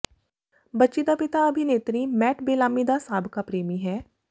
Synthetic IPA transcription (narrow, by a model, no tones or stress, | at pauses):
bətːʃid̪aːpɪt̪aːəbʱineːt̪ɾiːmɛːʈʰbeːlaːmid̪aːsaːbkaːpɾeːmiːɦɛː